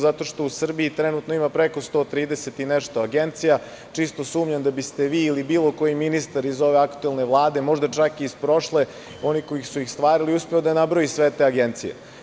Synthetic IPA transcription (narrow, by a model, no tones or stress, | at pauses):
zat̪o̞ʃt̪o̞usr̩biit̪ɾenut̪noimapɾeko̞st̪o̞ːt̪ɾiːd̪e̞se̞t̪ineʃt̪o̞aɡent̪sija | t͡ʂist̪o̞suːmɲand̪abist̪e̞ʋiːlibiːlˠo̞ko̞jiminist̪aɾizo̞ʋe̞akt̪uelˠne̞ʋlˠaːd̪e̞mo̞ʒd̪at͡ʂakiːspɾo̞ʃle̞ | o̞niko̞jixsujixst̪ʋaːɾiliuspe̞od̪anabɾojisʋe̞t̪eːaɡent̪sijḛ